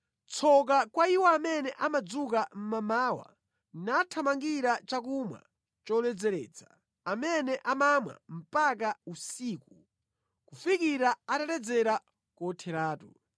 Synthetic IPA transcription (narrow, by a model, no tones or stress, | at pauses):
t͡sʰɔk̬akwaiwɔamɛnɛʔamad͡zuk̬am̩mamaːwa̰ | natʰamaŋɡiɾat͡ʃak̬umwa̰ | t͡ʃɔlɛd͡zɛɾɛ̰ːt͡sḁ | amɛnɛʔamamwa̰m̩pak̬ausiːku | kufikiɾaatalɛd͡zɛɾa | kɔtʰɛɾaːtu